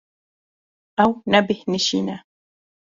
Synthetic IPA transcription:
ʔawnabɪhnɪʃinaː

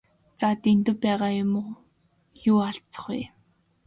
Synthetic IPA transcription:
t͡sat̪ent̪ɘ̆wpæːʁaːjʊmʊ | juːaɬt͡sə̥̆χṵj

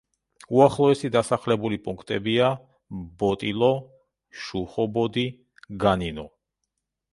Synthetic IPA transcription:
uaχlˠɔɛsid̪asaχlɛbulipʼuŋkʰt̪ʼɛbia | bɔt̪ʼilˠɔ | ʃuχɔbɔd̪i | ɡaninɔ

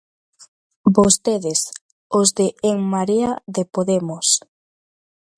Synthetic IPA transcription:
bost̪eðes | ozðeʔːŋmaɾiaðepoðemos

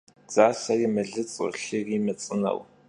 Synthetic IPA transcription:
d͡z̥aːsɐrimɨɮɨt͡sʼə̰ɬɨriːmɐt͡sʼɨnɐ̰w

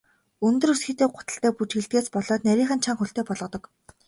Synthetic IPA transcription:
ɵnt̪ɵ̆rɵsɡɘ̆t̪eːɢʊt̪ə̆ɬt̪æːput͡ɕxĕɮt̪̚ɡeːspɔɮɔːt̪næɾʲiːŋχə̆nt͡ɕʰaŋxɵɬt̪eːpɔɮʁɞ̆t̪ɞ̆k

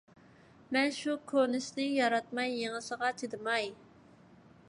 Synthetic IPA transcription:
mɛnʃukʰonɪʃnɪjɑɾɑt̪̚mɑjːeŋɨsəʁɑt͡ʃʰed̪ɨmɑj

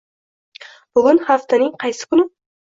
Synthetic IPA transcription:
b̥ʊɡʊnhaft̪ʰanɪŋqʰɑjsɪ̥kʰʊnɪ

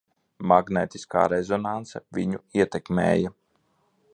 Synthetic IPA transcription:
maɡneːt̪iska̰ːɾɛzɔnant̪sɛviɲuiɛt̪ɛkmḛːja

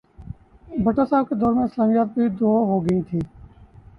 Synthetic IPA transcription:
bʱəʈoːsaːb̚keːd̪ɔːɾmẽːɪslaːmijaːt̪̚bʱiːd̪oːɦoːɡĩːt̪ʰiː

